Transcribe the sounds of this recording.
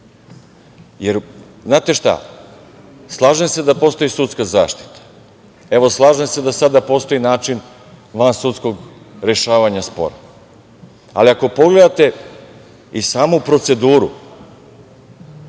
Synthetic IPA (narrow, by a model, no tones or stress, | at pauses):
jeɾ | znaːt̪e̞ʃt̪a̰ | slˠaːʒemse̞d̪apo̞ːst̪o̞isut̪skazaːʃt̪i̥t̪ḁ | e̞ʋo̞slˠaːʒemsed̪asad̪apo̞ːst̪o̞inaːt͡ʃin | ʋansut̪skoɡ | ɾe̞ʃaːʋaɲaspo̞̰ɾa̰ | a̰liako̞po̞ɡle̞d̪at̪e̞ | isaːmupɾo̞t̪se̞d̪uːɾu